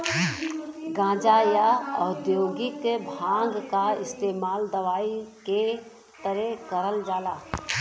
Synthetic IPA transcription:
ɡãːd͡ʒajaəd̪joːɡɪkbʱãːŋɡkaɪst̪eːmaːld̪əʋaːike | t̪əɾekəɾəld͡ʒaːlaː

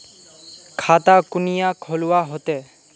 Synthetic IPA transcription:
kʰat̪akunijakʰoluwaɦot̪e

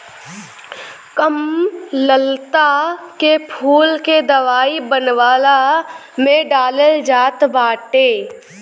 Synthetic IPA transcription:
kəmləlt̪akepʰuːlked̪ɐʋaːibənʋaːla | mẽɖaːləld͡ʒaːt̪baːʈeː

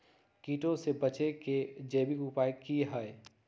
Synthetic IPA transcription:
kiːʈõsebət͡ʃeked͡ʒeːbikupaːekiɦəj

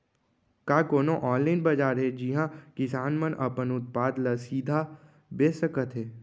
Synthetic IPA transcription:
kaːkoːnoʔɔ̃ːnlaɪnbɐd͡ʒaːɾɦɛd͡ʒiɦãkɪsaːnmənʔɐpənʊt̪̚paːd̪ləsiːd̪ʱa | beːsəkət̪ɦɛː

